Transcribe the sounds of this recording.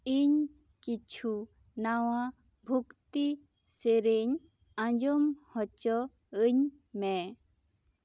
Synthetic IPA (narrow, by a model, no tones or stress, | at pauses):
iɲ | kit͡ɕʰu | nawa | bʱukt̪i | seɾeɲ | ãɲd͡ʒɔmhɔt͡ʃɔ | ɯɲ | mẽ